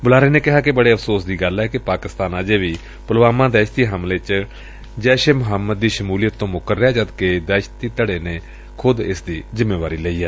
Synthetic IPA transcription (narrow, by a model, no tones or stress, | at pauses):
bʊlaːɾeːneːkɪɦaːkɪbəɽeːəfʰsoːsd̪iːɡəlɛːkɪpaːkɪst̪aːnaːd͡ʒeːʋiː | pʊlʋaːmãːd̪ɛːʃt̪iːɦəmleːt͡ʃ | d͡ʒɛːʃeːmʊɦəmːəd̪̚ːiːʃəmuːlijət̪ːõːmʊkəɾːjaːd͡ʒəd̪keːd̪ɛːʃt̪iːt̪əɽeːneː | kʰʊd̪ɪsd̪iːzɪmːeːʋaːɾiːləiːɦɛː